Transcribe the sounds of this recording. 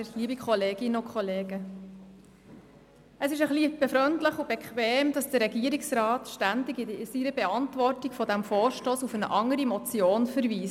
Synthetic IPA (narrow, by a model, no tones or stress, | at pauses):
liːbikχɔleːɡɪnʊkχɔleːɡə | əsɪʃəχlib̥ɛfɾœntləχubɛkχʋɛːmd̥ɑsd̥əɾɛɡiəɾɪksɾɑːt̪ʃtændɪɡɪsiɾəbɛɑntʋɔrtiɡ̥fɔdæmfoːɾʃtoːsufənə̰ʔɑŋːəɾimɔt͡sjoːnfəɾviːs